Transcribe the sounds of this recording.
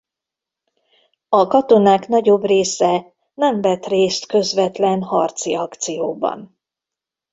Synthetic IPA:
ɒkɒt̪o̞naːkn̪ɒɟo̞breːsɛ | nɛmvɛt̪reːst̪køzvɛt̪lɛnhɒrt̪siɒkt̪sijoːbɒ̰n

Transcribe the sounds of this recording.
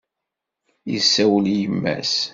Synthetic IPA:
jə̰sːæwəljəmːæ̰s

